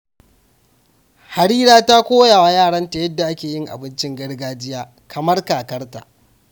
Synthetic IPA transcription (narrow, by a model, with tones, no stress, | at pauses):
ha˨ɽiː˦ɾaː˦ta˦kʷoː˦jaː˨wa˨jaː˦˨ɽɐ˦nta˨jɐ˦dːa˨ʔa˦kʲeː˨jɪ˦ŋʔa̰˨bɪ˦nt͡ʃɪ˦ŋɡɐ˦ɽɡaː˦d͡ʒɪ˦jaː˦ | kʰɐ˨mɐ˦rkaː˨kɐ˦rta̰˨ʔ